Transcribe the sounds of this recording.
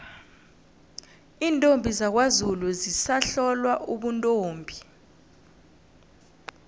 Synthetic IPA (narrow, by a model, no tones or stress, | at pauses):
iːntʼombʱizak̬wazuluzisaɬɔlwaʔuɓuntʼoːmbʱi